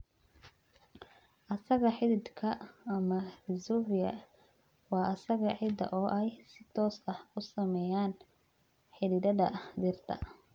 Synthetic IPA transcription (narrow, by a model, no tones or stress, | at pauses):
ʔɐsɐɣɐħɪðɪd̪kʰɐːmɐrɪzuvɪjɐ̰ | wɑːʔɐsɐɣɐʕɪd̪ɐ̰ʔɔːʔɛjsɪt̪ʰɔːsɐhʊsɐmɛjaːn | ħɪðɪd̪ɐdɐd̪ɪrt̪ʰɐ̰